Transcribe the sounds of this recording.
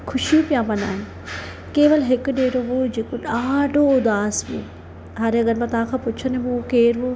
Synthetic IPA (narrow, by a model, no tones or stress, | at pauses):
kʰʊʃijũpijãmɐ̃na̰ːɦɪnɪ̆ | keːʋəlɦɪkʊɗeːɾoʋod͡ʑeːkoɗaːɖʱoʊd̪aːsʋḛ̃ | ɦaːɾeɐɡəɾmãt̪ɐʋãkʰãːpʊt͡ʃʰənemũkeːɾo